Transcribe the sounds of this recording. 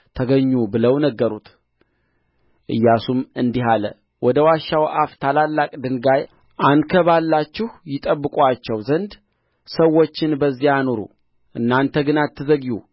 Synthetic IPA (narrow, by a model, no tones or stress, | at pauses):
t̪ʰəɡəɲːubɨləwnəɡːəɾut̪ | ʔɨ̰jːasumɨnd̪iɦalə̰ | wɔd̪əwaʃːawʔaft̪ʰalalːakʼd̪ɨŋɡaj | ʔankʰəβalːat͡ʃːɪhjɪt̪ʼəbːɨkʷʼwat͡ʃːɛwzənd̪ | səwːo̞t͡ʃːɪnbəzːijano̞ɾṵ | ʔɨnːant̪ʰəɡɨnat̪ʰːɨzəɡju